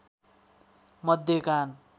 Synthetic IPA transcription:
mʌd̪ʱjekan

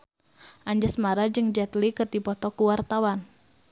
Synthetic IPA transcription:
ʔaɲd͡ʒasmaɾad͡ʒɨŋd͡ʒɛt̪likɨrdipɔt̪ɔkuwart̪awan

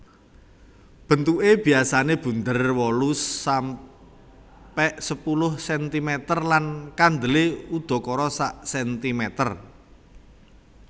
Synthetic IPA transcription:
b̥ə̤nt̪uʔeb̥i̤asaneb̥und̪ərwɔlusːam | pɛʔsəpulʊhsɛnt̪imɛt̪ərlankand̪əleud̪̥ɔ̤kɔɾɔsaʔsɛnt̪imɛt̪ər

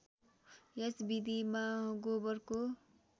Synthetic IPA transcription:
esbid̪imaɡobʌrko

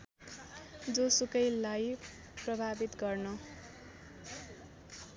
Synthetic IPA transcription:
d͡zosukʌjlaj | prʌbʱabit̪ɡʌrnʌ

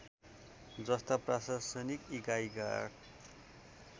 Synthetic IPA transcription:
d͡zʌst̪aprasasʌnikiɡajɡa̰ɽ

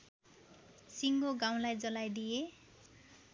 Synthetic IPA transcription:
siŋɡoɡaw̃lajd͡zʌlajd̪ije

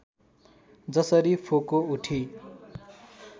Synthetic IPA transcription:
d͡zʌsʌɾipʰokouʈʰi

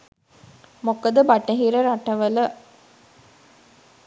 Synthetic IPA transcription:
mokəd̪əbaʈɐɦiɾəɾaʈɐʋələ

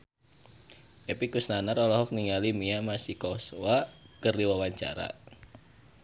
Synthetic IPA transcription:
ʔepikusnanaɾɔlɔɦɔk̚niŋalimiamasikɔsowakərdiwawaɲt͡ʃa̰ɾa̰

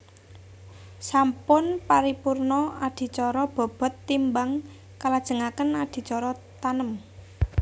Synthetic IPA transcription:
sampʊnpaɾipurnɔad̪̥i̤t͡ʃɔɾɔb̥ɔ̤b̥ɔ̤t̪ːimbaŋ | kalad̥ʒ̥ə̤ŋakənad̪̥i̤t͡ʃɔɾɔt̪anəm

